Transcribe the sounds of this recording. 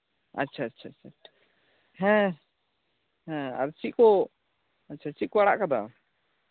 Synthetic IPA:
ətːt͡ʃʰaːtːt͡ʃʰatːt͡ʃʰatʰḁ | ɦɛ̃ | ɦɛ̃a̰ɾt͡ʃiʔkɔ | ətːt͡ʃʰat͡ʃikɔaɽaʔkad̪a

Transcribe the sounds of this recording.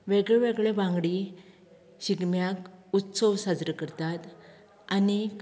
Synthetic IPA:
ʋeɡɭeʋeɡɭebãŋɡɽi | ɕiɡmjakut̪səʋsad͡zɾəkəɾt̪at̪ | ani

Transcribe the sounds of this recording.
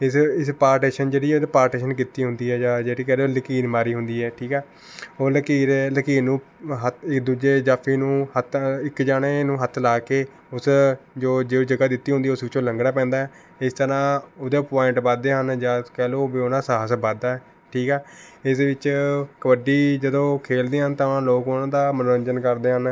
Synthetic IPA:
ɪsɪspaːɾʈeːʃənd͡ʒeːɽiːɛd̪eːpaːɾʈeːʃənkiːt̪ːiːɦʊnd̪iːɦɛːd͡ʒaːd͡ʒeːɽiːkɛːloːləkiːnmaːɾiːɦʊnd̪iːɛːʈʰiːkɛː | oːləkiːɾləkiːnũː | ɦət̪ɪkd̪uːd͡ʒeːd͡ʒaːpʰiːnũːhət̪ɪkd͡ʒaːɽeːnũːɦət̪ʰlaːkeː | ʊsd͡ʒoːd͡ʒeːd͡ʒəɡaːd̪ɪt̪ːiːɦʊ̃nd̪iːʊsbɪt͡ʃõːləŋɡɽaːpɛ̃ːnd̪aːɛː | ɪst̪əɾãːod̪eːpoːɪɳʈbaːd̪eːɦənd͡ʒãːkɛːloːbiːoːnãːsaːɦsbaːd̪aːɛː | ʈʰiːkɛːɪseʋɪt͡ʃkəʋəɖiːd͡ʒəd̪õːkʰeːld̪eːɦənt̪ãːloːkoːnãːd̪aːmənuːɾəɲd͡ʒənkəɾd̪eːɦən

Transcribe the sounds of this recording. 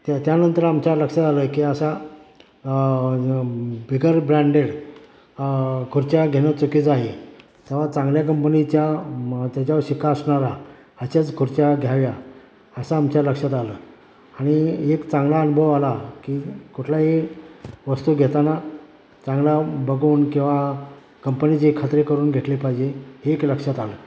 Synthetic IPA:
t̪at̪janənt̪əɾamt͡ɕjaləkʂat̪aləkiːəsa | bʱiɡəɾbɾãɳɖeɽ | kʰuɾt͡ɕjaɡʱeñət͡sukiːt͡saɦe | t̪eʋ̤at͡sãŋɡljak̬əmpnit͡ɕjat̪jat͡ɕjaʋɾɕikaːsɳaɾa | əɕat͡skʰuɾt͡ɕaɡʱjaʋja | əsaːmt͡ɕjaləkʂat̪aləː | aɽ̃iekt͡saŋɡlaənubʱəʋalakiːkuʈʰlaɦe | ʋəst̪uːɡʱet̪ana | t͡sãŋɡlabəɡuːnkĩw̃ʋa | kəmpənit͡ɕikʰːat̪ɾekəɾuːnɡʱeʈlipajd͡ʑeɦeːkləkʂat̪aləː

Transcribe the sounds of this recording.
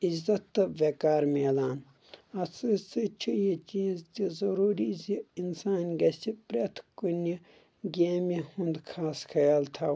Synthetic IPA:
izɐt̪ːɨʋekaːɾmeːlaːn | ɐsʰɨsɨt͡ʃʰijit͡ʃiːzt̪izɐɾuːɾiziinsaːnɡɐsipɾet̪ʰkuni | ɡʲeːmihund̪kʰaːsxʰɐjaːlt̪ʰɐ

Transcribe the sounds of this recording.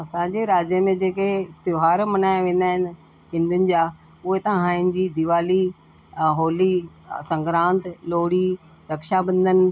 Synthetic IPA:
ɐsãːd͡ʑeɾaːd͡ʑjəmẽd͡ʑeːket̪joɦaːɾmɐnaːjaʋẽːn̆d̪aːɦɪnɪ | ɦɪ̃nd̪ənɪ̆d͡ʑaː | ʊɦet̪ãɦãːɦɪnɪ̆d͡ʑid̪ɪʋaːli | ɦoːli | sɐ̃ŋɡɾãːnt̪loːɽi | ɾɐkʃabɐ̃nd̪ʱənɪ̆

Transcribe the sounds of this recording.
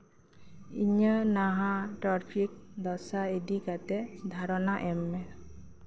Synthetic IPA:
ḭɲənaɦãʈɾaɾpʰik̚d̪ɔsaedikat̪ɛd̪ʱaɾɔnaʔɛmːɛ

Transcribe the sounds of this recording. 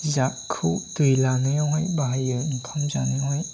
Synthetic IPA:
zakʰudɯjlanɯjaɦɔjbaɦajɯinkʰamzanɯjɦɔj

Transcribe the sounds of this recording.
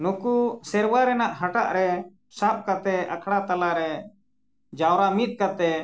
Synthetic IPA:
nukusɛɾwaɾɛnaʔɦaʈaʔɾɛ | sap̚kat̪ɛa̰kʰɽat̪alaɾɛ | d͡ʒawɾamit̪̚ˀkat̪ɛ

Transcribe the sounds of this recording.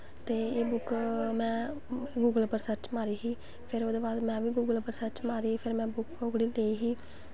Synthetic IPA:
t̪eːeːbʊkmɛ̃ː | ɡuːɡəlpəɾsət͡ʃmaːɾiːɦiː | pʰɪɾoːd̪oːbaːd̪mɛ̃ːʋiːɡuːɡəlpəɾsət͡ʃmaːɾiːpʰɪɾmɛ̃ːbʊkʊkɽiːleːiːɦiː

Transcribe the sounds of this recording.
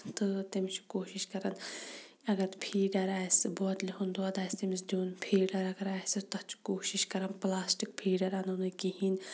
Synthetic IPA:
t̪ɨt̪imt͡ʃʰkoːʃiʃkɐɾɐn | ɐɡɐɾt̪pʰiːɖɐɾaːsɨbɔːt̪lʲiɦund̪oɐd̪aːst̪imisd̪ʲoːnpʰiːɖɐɾɐɡɐɾaːsɨt̪ɐt͡ʃʰkoːʃiʃkɐɾɐnplaːsʈik̚pʰiːɖɐɾanunɨkiɦin

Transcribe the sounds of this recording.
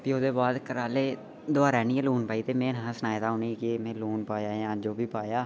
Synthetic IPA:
pɪoːd̪eːbaːd̪kəɾaːleː | d̪ʊaːɾɛːniːɛ̃ːluːnpaːiːt̪eːmẽːnɦãːsənaːjd̪aːoːniːkimẽːluːnpaːjaːjãːd͡ʒoːbiːpaːjaː

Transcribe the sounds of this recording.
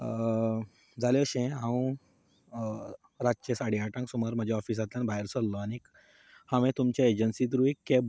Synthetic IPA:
d͡zaleəɕẽɦãwũ | ɾad͡ʑt͡ɕesaɽiaʈãŋksuməɾm̤əd͡ʑʱjaɔfiːs̬at̪ljanbʱajɾsɔlːɔanik | hãʋẽt̪umt͡ɕjaed͡ʑənsit̪̬ɾuekːe

